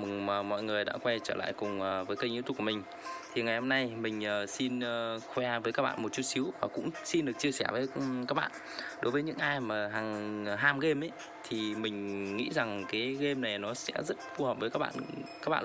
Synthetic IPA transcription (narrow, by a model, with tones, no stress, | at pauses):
mɨ˨˩ŋməː˨˩mɔ̰˧˨jŋɨ˨˩əjɗa̰ː˧˥kwɛ˧nt͡ɕəː˧˩la̰ː˧˨jkʊ˨˩ŋ͡məː˨˩vəː˨˦jkaː˧jŋʔi˧˦t̪u˧˩ku˧˩mï˨˩ŋ̟ | t̪ʰi˨˩ŋa˨˩jho˧mna˧jmï˨˩ŋ̟ʔəː˨˩si˧nː˨˩xwɛ˧vəː˨˦kaː˦˥ɓa̰ː˧˨mo˨˩t̚t͡ɕu˦˥t̚si˨˦wvaː˨˩kʊ̰˧˥ŋ͡msi˧nɗɨ˨˩ək̚t͡ɕi˧əsɛ˧˩vəː˨˦jkaː˦˥k̚ɓa̰ː˧˨n | ɗo˨˦jvəː˨˦jɲɨ̰˧˥ŋʔaː˧jmaː˨˩ɦa˨˩ŋ˩ɦaː˧mɣe˧mʔə˨˦j | t̪ʰi˨˩mï˨˩ŋ̟ŋḭ˧˥za˨˩ŋkaː˨˦jɣe˧mna˨˩jnɔ˨˦sɛ̰˧˥zə˦˥t̚fu˧hə˨˩p̚və˨˦kaː˦˥k̚ɓa̰ː˧˨nkaː˦˥ɓa̰ː˧˨˧